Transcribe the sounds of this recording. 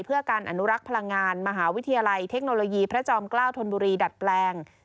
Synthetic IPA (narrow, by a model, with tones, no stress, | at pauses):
jpʰɯ˥˩ɐkaː˧nʔa̰˧nu˦˥ɾa˦˥k̚pʰa˧la˧ŋːaː˧nma˧ɦaː˩˦wi˦˥t̪ʰa˧jaː˧la˧jt̪ʰe˦˥k̚noː˧loː˧jiː˧pʰɾa˦˥t͡ɕɔː˧mklaː˥˩wt̪ʰo˧nbuː˧ɾiː˧da˨˩t̪̚plɛː˧ŋ